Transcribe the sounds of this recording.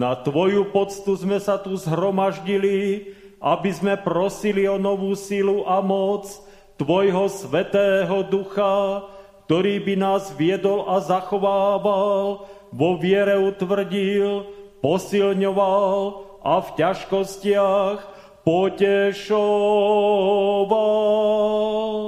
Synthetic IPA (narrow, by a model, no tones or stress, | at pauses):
nat̪ʋɔjupɔt͡st̪uzmɛsat̪uzɦɾɔmaʒɟili | ʔabizmɛpɾɔsiliɔnɔʋuːsiluʔamɔt͡s | t̪ʋɔjɦɔsʋɛt̪ɛːɦɔd̪uxak̚t̪ɔɾiːbinaːzʋɪɛd̪ɔlazaxɔʋaːʋalʋɔʋɪɛɾɛut̪ʋr̩ɟilpɔsilɲɔʋal | ʔafcaʃkɔscɪax | pɔcɛʃɔ | ʋa | l